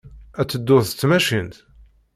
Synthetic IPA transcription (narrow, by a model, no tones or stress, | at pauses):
æt͡sːəd̪ːʊθət͡sːmæʃint̪